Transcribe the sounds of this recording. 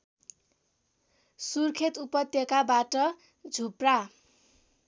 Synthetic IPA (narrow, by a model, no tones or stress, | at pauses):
surkʰet̪upʌt̪jʌkabaʈʌ | d͡zʱupra